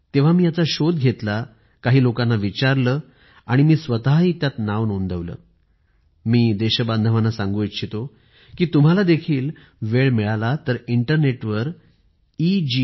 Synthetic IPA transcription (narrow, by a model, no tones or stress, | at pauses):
t̪eʋ̤amiːjat͡saɕod̪ɡʱet̪la | kaɦiːlokanːaʋit͡ɕaɾləː | aɽ̃imiːsʋət̪aɦɦiːt̪jat̪naʋnond̪ʱəʋlə̰ː | miːd̪eɕəband̪ʱəʋanːasãŋɡuit̪ɕʰit̪o | kiːt̪um̤alad̪ekʰiːl | ʋeɭmiɭalat̪əɾiɳʈəɾneʈʋəɾ | id͡ʑi